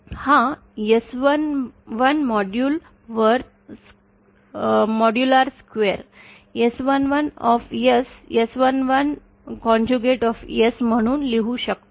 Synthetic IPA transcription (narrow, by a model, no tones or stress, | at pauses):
hã | jesʋənʋənmɔɖjuːl | ʋəɾ | mɔɖjulaɾskʋeɾ | esʋənʋənɔfjesjesʋənʋən | kɔ̃ɲd͡ʑuɡeʈɔfjesm̤əɽ̃uːnleɦuɕək̚t̪o